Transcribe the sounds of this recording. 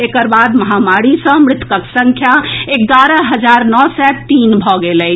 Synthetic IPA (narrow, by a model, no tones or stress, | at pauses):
ekəɾbad̪məɦamaɾisə̃mɾɪt̪kəksə̃ŋkʰjaek̚ɡaɾəɦəd͡ʒaɾnɔsɛt̪inbʱɔɡelɛ